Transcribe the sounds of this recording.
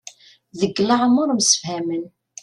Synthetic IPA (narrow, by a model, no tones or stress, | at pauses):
ðəɡːlaʕmːʊɾˤmsə̥fhæmən